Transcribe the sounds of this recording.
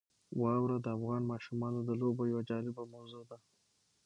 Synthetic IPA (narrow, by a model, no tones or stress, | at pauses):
wɑwɾad̪əafɣɑnmɑʃumɑnod̪əlobajawad͡ʒɑlɪbamazod̪a